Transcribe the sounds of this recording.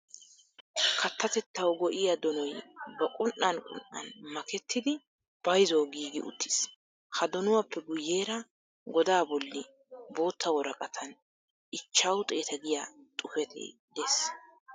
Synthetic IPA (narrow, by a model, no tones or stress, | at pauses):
kʰɐt̪ːɐt̪ɛt̪ːɐwɡɔʔɪjɐd̪ɔnɔjbɐkʼʊnʔːɐnkʼʊ̰nʔɐ̰nmɐkɛt̪ːɪd̪ɪ | b̥ɐjzɔwɡiːɡɪ̰ʊ̰t̪ʰːɪ̥s | hɐd̪ɔnʊwɐpːɛɡʊjːe̞ːɾɐ | ɡɔd̪aːbɔlːɪ | bo̞ːt̪ːɐwɔɾɐkʼɐt̪ʰɐn | ʔɪt͡ʃːɐwt̪ʼe̞ːt̪ɐɡɪjat̪ʼʊfɛt̪ʰḛːd̪es